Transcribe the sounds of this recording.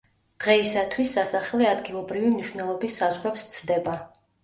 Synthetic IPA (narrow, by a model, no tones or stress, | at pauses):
d̪̥ʁɛisat̪ʰwisːasaχlɛad̪ɡilˠɔbɾivimniʃwnɛlˠɔbisːazʁɾɛpst̪sʰd̪ɛba